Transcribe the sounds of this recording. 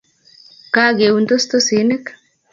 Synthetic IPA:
ka˦ɡe˨unt̪o˦st̪o˦si˨˦ne˦k

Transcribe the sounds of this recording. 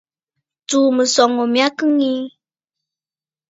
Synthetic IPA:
tuː˨mɨ˨sɔ˨ŋo˨mi˨˦a˦kɨ˦ŋi˦

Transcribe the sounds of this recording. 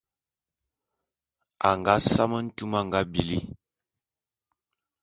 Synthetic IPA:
a˨ŋɡa˦sa˦mə˦n̩˦tu˦ma˦˨ŋɡa˦bi˨li˦

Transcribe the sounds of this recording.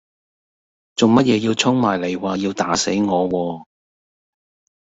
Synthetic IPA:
t͡so˨wmɐ˥t̚jɛː˨˧jiː˧wt͡sʰʊ˥ŋmaː˨˩jle˨˩jwaː˨ji˧wt̪aː˨˥se˨˥jŋɔː˨˧wɔː˧

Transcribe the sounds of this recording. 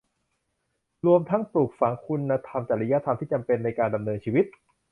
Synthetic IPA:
ɾu˧əmt̪ʰa˦˥ŋpɾu˨˩k̚fa˩˦ŋkʰu˧nːa˧t̪ʰa˧mt͡ɕaː˨˩ɾa˦ja˦˥t̪ʰa˧mt̪ʰiː˥˩t͡ɕa˧mpe˧nːa˧jkaː˧nda˧mnɤː˧nt͡ɕʰiː˧wi˦˥t̪̚

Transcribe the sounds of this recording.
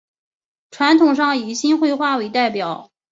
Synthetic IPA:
ʈ͡ʂʰwa˧˥nt̪ʰʊ˨˩ŋʂ̬ɑ˥˩ŋi˨˩ɕi˥nxwe˥˧ɪxwa˥˩we˧˥ɪt̪a˥˩ɪpjɑ˨˩˦ʊ

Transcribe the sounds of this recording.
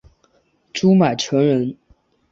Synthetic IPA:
ʈ͡ʂu˥ma˨˩ɪʈ͡ʂʰɤ˧˥ŋɻə˧˥n

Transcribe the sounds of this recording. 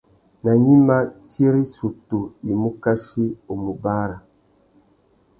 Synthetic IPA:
na˨ɲi˦ma˦ti˦e˦ɾi˦su˨tu˨i˨mu˦ka˦ʃi˦o˨mu˨ba˦ɾa˨

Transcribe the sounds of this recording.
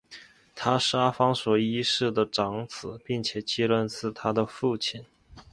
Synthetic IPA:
t̪ʰa˥ʂa˥fɑ˥ŋswɔ˨˩i˥ʂɻ̩˥˩d̪ə˩ʈ͡ʂɑ˧˥ŋt͡sɹ̩˨˩˦pi˥˩ŋt͡ɕʰjɛ˨˩t͡ɕi˥lwə˥˧nt͡sɹ̩˥˩t̪ʰa˥d̪ə˨fu˥˩t͡ɕʰi˨˩n

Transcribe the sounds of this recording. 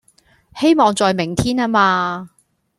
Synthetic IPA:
he˥jmɔː˨ŋt͡sɔː˨jmɪ˨˩ŋt̪ʰiː˥naː˥maː˧

